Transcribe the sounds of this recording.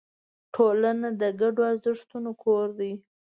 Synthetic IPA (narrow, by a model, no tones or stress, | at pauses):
ʈʰolanad̪əɡaɖoaɾzɪʂt̪unokʰoɾd̪ij